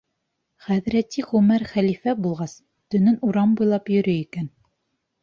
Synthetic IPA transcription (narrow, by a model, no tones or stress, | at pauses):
χæðɾæt̪iʁɵmæɾχælifæbulˠʁɑs | t̪ɵ̆nɘnuɾɑmbujlˠɑpjɵ̆ɾɵikæn